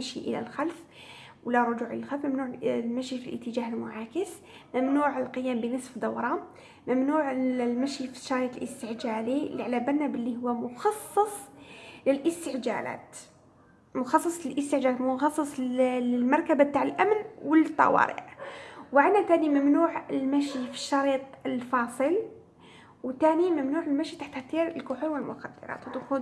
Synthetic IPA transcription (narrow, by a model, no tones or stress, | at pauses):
æʃiʔə̰læ̰lxælfwəlːæɾˤʊd͡ʒuʕʔəlælxælfmæmnuʕmæʃifilʔə̰t̪ːəd͡ʒahəlmʊʕakəs | mæmnuːʕəlqəjːæːmbənəsfd̪ɑwɾˤɑ | mæmnuʕlmæʃifi̥ʃɑjt̪əlʔəst̪əʕd͡ʒæliliʕalæbænːæbəlːihʊwːæmʊxɑsˤːɑsˤləlʔəst̪əʕd͡ʒæ̰læ̰ːt̪ | mʊxɑsˤːɑsˤlɪlʔəst̪əʕd͡ʒalat̪mʊxɑsˤːɑsˤɪlmɑɾˤkabab̚t̪aʕəlʔæmnwəlt̪ˤːɑ̰wɑ̰ɾḭʕwʕanːat̪aːnimæmnuːʕəlmæʃifi̥ʃːɑɾiːt̪ˤəlfɑːsˤɨl | wt̪aːnimæmnuːʕəlmæʃit̪aħt̪t̪iɾəlkʊħunwəlmʊxæd̪ːɑ̰ɾˤɑ̰ːt̪wd̪xu